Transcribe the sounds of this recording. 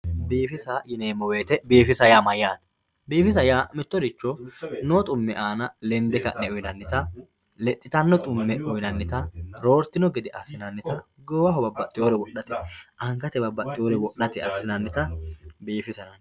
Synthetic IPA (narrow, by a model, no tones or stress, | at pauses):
biːfɪsajɪneːmːɔwe̞ːt̪ɛbiːfɪsɐjaːmɐjaːt̪ɐ̥ | biːfɪs̬ɐjaːmɪt̪ːɔd̪ɪt͡ʃːɔnot̪ʼʊmːɛʔaːnɐlɛnd̪ɛkɐ̰ʔnɛʊjnɐnːɪt̪ɐ | lɛt̪ʼːɪt̪ɐnːɔt̪ʼʊmːɛʔʊjnɐnːɪt̪ɐɾoːɾt̪ɪnɔɡɪd̪ɪʔɐ̰sːɪnɐnːɪt̪ɐ | ɡoːwɐɦɔbɐbːɐt̪ʼːɪjoːɾɛwɔɗːɐt̪ɛʔɐŋɡɐt̪ɛbɐbːɐt̪ʼːɪjoːɾɛwɔɗɐt̪ɪɐsːɪnɐnːɪt̪ɐbiːfɪsɐnɐn